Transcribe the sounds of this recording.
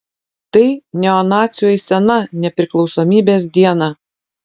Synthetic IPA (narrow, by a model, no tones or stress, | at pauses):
t̪ɐɪnʲɛɔnɑːt̪sʲjojsʲɛnɐnʲɛpʲɾʲɪklˠɒʊsomʲiːbʲeːs̬d̪ʲiɛnɑ